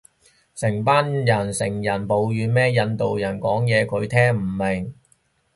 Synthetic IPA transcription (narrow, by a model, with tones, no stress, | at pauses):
sɪ˨˩ŋpaː˥njɐ˨˩nsɪ˨˩ŋjɐ˨˩npo˨˧wjyː˨˧mɛː˥jɐ˧nt̪o˨wjɐ˨˩nkɔː˨˥ŋjɛː˨˧kʰɵ˨˧ɥt̪ʰɛː˥ŋm̩˨˩mɪ˨˩ŋ